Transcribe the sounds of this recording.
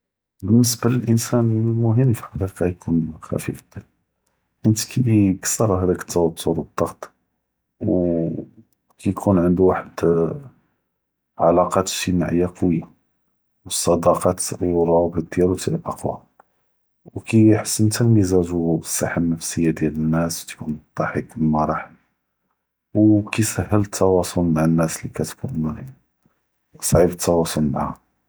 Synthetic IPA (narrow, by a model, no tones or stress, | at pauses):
bənːəsbaləlʔənsænlmʊɦəmːfiħɑqiqɑjkʰunxæ̰fifd̪̥æl | ʔənt̪kʰikə̥sːɑɾˤɦæd̪ækə̥t̪ːɑwɑt̪ʰːʊɾbəd̪ˤːɑɣt̪ˤ | w | kijkʰunʕənd̪uwaħəd̪ | ʕalɑqɑt̪ʃimaʕəjːaqwija | wəsˤːɑd̪ɑqɑt̪wɾˤɑbəd̪jælwt̪ilʔɑ̰qwa̰ | wkiħə̥sːənt̪əlmizæʒuəsːaħəmnəfsəjːad̪jælənːæst̪kunt̪ˤːɑħəkəmæɾˤɑħ | wkisəhːələt̪ʰːɑwɑsˤolmaʕənːæslikæt̪kun | sˤʕibət̪ːɑwɑsˤolmaʕha